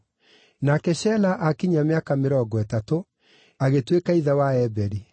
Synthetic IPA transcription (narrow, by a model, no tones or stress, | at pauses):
nakɛɕɛlaʔakiɲameakameɾɔɡɔɛtato | aɣetwekaiðawaɛbɛɾi